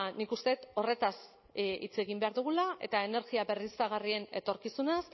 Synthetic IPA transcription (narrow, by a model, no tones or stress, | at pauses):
nikust̪e̞t̪o̞re̞t̪as | ḭt͡se̞ɣimbe̞aɾðuɣ̞ulae̞̰t̪aene̞ɾɣiabe̞risaɣ̞arie̞ne̞t̪o̞ɾkisunas